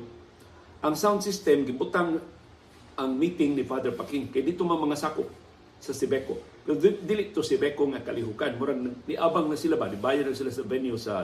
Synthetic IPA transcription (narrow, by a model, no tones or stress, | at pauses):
ʔaŋsawnd̪sist̪ɛmɡɪbut̪aŋ | ʔaŋmit̪ɪŋnifad̪ɛɾpakɪŋkajd̪it̪omaŋmaŋasakʊp̚ | sasɪbɛkopɛɾod̪ilɪʔt̪osɪbɛkoŋakalɪɦukanmʊɾaŋnaɡnɪʔabaŋnasilabanɪbajad̪laŋsilasavɛnjusa